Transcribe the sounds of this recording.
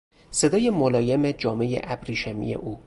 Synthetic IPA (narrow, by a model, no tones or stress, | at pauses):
se̞d̪ɒːjemolɒːjemed͡ʒɒːme̞jḛʔæbɾiːʃemḭjḛʔuː